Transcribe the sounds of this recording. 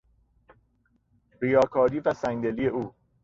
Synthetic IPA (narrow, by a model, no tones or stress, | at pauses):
bijɒːkʰɒːɾiːvæsæŋd̪eliːeʔuː